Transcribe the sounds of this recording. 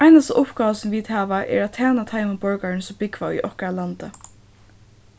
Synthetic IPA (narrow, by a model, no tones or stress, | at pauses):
ajnast̪a̰ʔʊpɡaːʋasɔmviːt̪haːʋaʔɛ̰ɹat̪ʰaːnat̪ʰajməbɔɹkaɹɪnsɔmbɪkʋaḭʔɔhkaalant̪ə